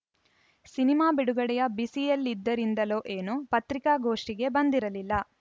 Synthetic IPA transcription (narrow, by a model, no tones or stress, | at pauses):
sinimaːbiɽuɡɐɽɛjɐbisijɐlːid̪ːɐɾind̪ɐloːʔeːnupɐt̪ɾikaːɡo̞ːʂʈiɡe̞bɐnd̪iɾɐlilːɐ